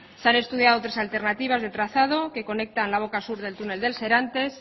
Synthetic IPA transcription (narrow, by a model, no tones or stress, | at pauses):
seane̞st̪uðjaðot̪ɾesalt̪e̞ɾnat̪iβ̞azðe̞t̪ɾaθað̞o̞ke̞ko̞ne̞k̚t̪anlaβ̞o̞kasuɾðe̞lt̪une̞ld̪e̞lse̞ɾant̪e̞s